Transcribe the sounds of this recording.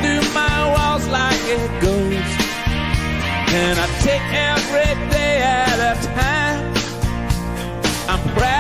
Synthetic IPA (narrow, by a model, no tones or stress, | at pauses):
dɨmaɪwɔzlaɪkɪt̚ɡ̥oz̥ | ɨ̃naɪtʰeɪkɛvɹideɪɨɾətʰãɪ̃m | ãɪ̃mpʰɹ̥æ